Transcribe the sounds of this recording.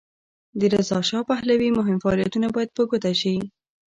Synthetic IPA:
d̪əɾazɑʃɑpahlawimʊɦɪmfaːlijat̪unabɑjad̪̚pəɡot̪aʃi

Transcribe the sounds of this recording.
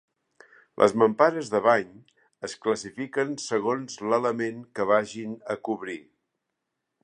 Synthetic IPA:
lʔə̰zməmpaɾəzðəβaɲ | əskləsifikənsəɣ̞onzlələmenkəβaʒinəkuβɾi

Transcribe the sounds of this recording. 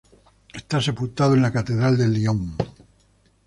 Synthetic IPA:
est̪ase̞pult̪aðoenlakat̪e̞ðɾald̪e̞lːioŋ

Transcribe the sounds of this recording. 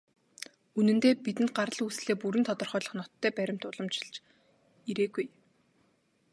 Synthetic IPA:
unɘ̆nt̪eːpit̪ɘ̆nt̪̚ɢaɾə̆ɮusɮeːpuɾɘ̆nt̪ʰɔt̪ɞ̆rχœːɮɞ̆χnɔt̪ʰːœːpæɾʲɪ̆m̥t̪ʊɮɞ̆mt͡ɕɪ̥̆ɮt͡ɕ | iɾeːɡuj

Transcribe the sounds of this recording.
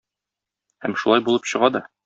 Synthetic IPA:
hæmʃulˠɑjbulˠɤpɕɤ̆ʁɑd̪ɒ

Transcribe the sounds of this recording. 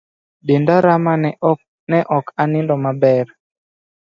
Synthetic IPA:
dendaɾama | nɛʔɔkanɪndɔmabɛr

